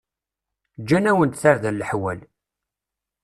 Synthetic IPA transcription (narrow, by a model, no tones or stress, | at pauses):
d͡ʒːænæwənt̪θaɾðælːəħwæl